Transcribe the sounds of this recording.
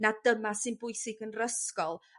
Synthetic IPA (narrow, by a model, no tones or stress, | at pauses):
nadəmasɪnbʊɨsɪɡənrəskɔlˠ